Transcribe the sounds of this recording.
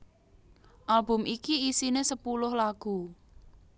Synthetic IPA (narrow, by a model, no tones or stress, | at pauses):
ʔalbʊ̤mʔikiisinesəpulʊhlaɡ̥u